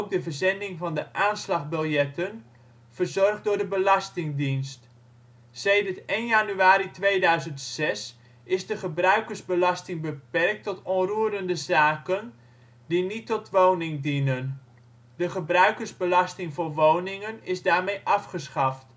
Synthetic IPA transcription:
owk̚dəvərzɛndɪŋvɑndəʔaːnslɑχbɪlˠjɛtən | v̥ərzɔrχ̚dʊːɹdəbəlɑstɪŋdinst | seːdərteːnjanyaːɾitʋejdœɥzəntsɛs | ɪzdəχəbrœɥkərzbəlɑstɪŋbəpɛrk̚tɔtɔruəɾəndəzaːkən | dinitːɔtʋownɪŋdinən | dəχəbrœɥkərzbəlɑstɪŋvʊːʋownɪŋənɪzdaːɹmejʔɑfχəsχɑft

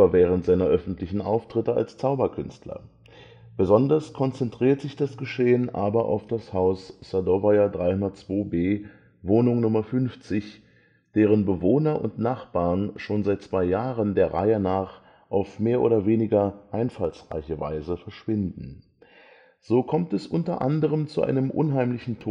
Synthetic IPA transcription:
ɐvɛːʁ̞əntz̥aɪnɐʔœfn̩tlɪçn̩ʔaʊftʁ̥ɪtəa̰lst͡saʊbɐkʰʏnstlɐ̰ | b̥əzɔndɐskʰɔnt͡sɛntʁ̥iːɐtz̥ɪçd̥asɡ̥əʃeːənʔa̰ːbɐʔa̰ʊfd̥ashaʊssadovaɪadʁaɪhʊndɐtt͡sv̥oːbeː | voːnʊŋnʊmɐfʏnft͡sɪç | d̥eːʁ̞ənbəvoːnɐʔʊ̰ntnaχb̥aːʁənʃoːnzaɪt̚t͡sv̥aɪjaːʁəndeːɐʁa̰ɪənaːχ | ʔaʊfmeːɐʔo̰ːdɐveːnɪɡɐʔaɪnfalsʁa̰ɪçəva̰ɪzəfɛɐʃv̥ɪndn̩ | z̥oːkʰɔmtɛsʔʊntɐ̰ʔa̰ndəʁəmt͡suʔa̰ɪnəmʔʊ̰nɦaɪmlɪçn̩tʰo

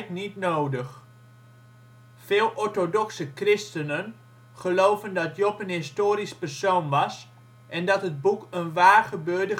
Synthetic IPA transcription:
tnitnoːwdəχ | fɪːlˠʔɔɹtodɔksəkrɪstənən | χəlowvəndɑtjɔpənɦɪstoːɾispərsownʋɑs | ʔɛndɑtɦəd̚bukənʋaːrχəbøːɹdə

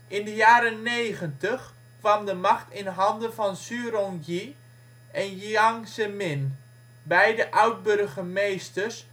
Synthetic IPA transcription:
ʔɪndəjaːɾəneːɣəntəx | kʋɑmdəmɑxtɪnɦɑndəvɑnsyɾɔŋji | ʔɛnjɑŋsəmɪn | bɛjdəʔœɥt̚børɣəmejstərs

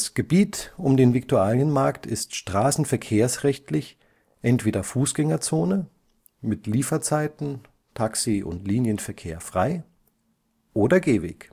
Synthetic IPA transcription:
d̥asɡ̥əbiːtʊmdeːnvɪtuaːljənmaɐktʰɪstʃtʁ̥aːsn̩fɛɐkʰeːɐsʁɛçtʰlɪç | ʔɛntv̥eːdɐfuːsɡ̥ɛŋɐt͡soːnə | mɪtliːfɐt͡saɪtn̩ | tʰaksiʔʊ̰ntliːnjənfɛɐkʰeːɐfʁ̥aɪ | ʔoːdɐɡeːveːk

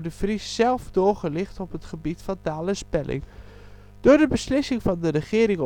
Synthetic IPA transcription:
dəfrisːɛlˠfdʊːɹχəlɪχtɔpətχəbitfɑntaːləspɛlʔɪ̰ŋ | d̥ʊːɹdəbəslɪsɪŋfɑndərəχɪəɾɪŋ

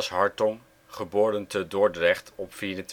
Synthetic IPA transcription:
sɦɑɹtɔŋ | χəboːɾəntədʊːɹdrɛχtɔpfiːɹənt

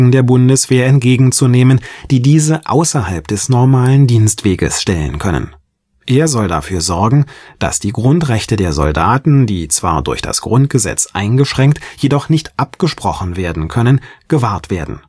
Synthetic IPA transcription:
ɡŋ̩deːɐbʊndəsv̥eːɐɛnt̚ɡ̥eːɡŋ̩t͡suneːmənd̥iːdiːzəʔa̰ʊsɐhalpd̥ɛsnɔɐmaːləndiːnstv̥eːɡə̰sʃtɛlə̰nkʰœnə̰n | ʔeːɐzɔlda̰fyːɐzɔɐɡŋ̩d̥a̰sd̥iːɡʁʊntʁɛçtədeːɐzɔ̰ldaːtn̩diːt͡sv̥a̰ːɐdʊ̰ɐçd̥a̰sɡ̥ʁʊnt̚ɡ̥əzɛ̰t͡sʔa̰ɪnɡəʃʁ̥ɛŋk̚tjedɔχnɪçtʔapɡ̥əʃpʁ̥ɔχn̩veːɐdn̩kʰœnənɡ̥əvaːɐtv̥eːɐdn̩

